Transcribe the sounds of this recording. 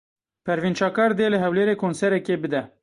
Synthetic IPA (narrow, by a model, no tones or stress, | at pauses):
pʰɛɾvint͡ʃɑːkɑːɾd̪eːlɨɦɛwleːɾeːkʰonsɛɾɛkeːbɨd̪ɛ